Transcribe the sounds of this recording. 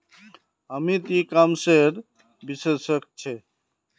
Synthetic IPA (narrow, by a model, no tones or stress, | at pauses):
ɦəmit̪ikamseɾ | bisesək̚t͡ʃʰɛ